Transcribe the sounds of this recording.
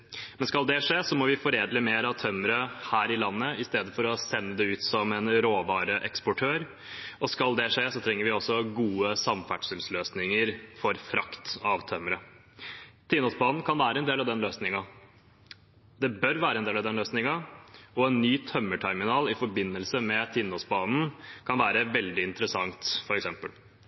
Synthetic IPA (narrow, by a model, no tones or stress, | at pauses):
mɛnskɑld̪ɛʂeːsɔmɔʋɪfɔɾeːd̪ləmeːɾɑʋt̪ʰœmɾəhæːɾɪlɑnːəɪst̪eːd̪əfɔɾɔsɛnːəd̪ɛʉːt̪sɔmɛnɾoːʋɑːɾəʔɛkspɔʈʰøːɾ | ɔskɑld̪ɛʂeːsɔt̪ʰɾɛŋːəɾʋɪɔsːɔɡuːəsɑmfæʈʂəlsløːsnɪŋəɾfɔɾfɾɑ̰kt̪ɑʋt̪ʰœmɾə | t̪ʰɪnːɔsbɑːnn̩kʰɑnʋæːɾəɛnd̪eːlɑʋd̪ɛnløːsnɪŋɑ | d̪ɛbœɾʋæːɾəɛnd̪eːlɑʋd̪ɛnløːsnɪŋɑɔɛnːyːt̪ʰœmːəʈʰæɾmɪnɑːlɪfɔɾbɪnːəlsəmɛt̪ʰɪnːɔsbɑːnn̩kʰɑnʋæːɾəʋɛld̪ɪɪnt̪əɾəsɑŋt̪fɔɾɛksɛmpə̰l